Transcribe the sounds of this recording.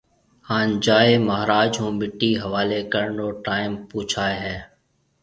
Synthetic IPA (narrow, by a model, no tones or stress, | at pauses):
haːnd͡ʒaːeːməɦɾaːd͡ʒɦũːmɪʈːiːɦəʋaːleːkəɾɳoːʈaːɪmpuːt͡ʃʰaːeɦɛː